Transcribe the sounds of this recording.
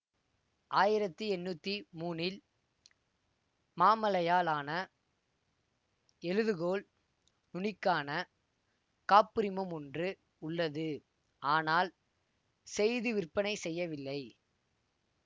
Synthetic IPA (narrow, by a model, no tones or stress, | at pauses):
ʔaːjɪɾɐt̪ːɯɛnːut̪ːimuːnɪl | maːmɐlɐjaːlaːnɐ | ɛɻɯðɯɣoːl | nʊnɪkːaːnɐ | kaːpːɪɾɪmɐmɔndrɯ | ʊɭːɐðɯ | ʔaːnaːl | sɛjðɯʋɪrpɐnɐɪsɛjːɐʋɪlːɐɪ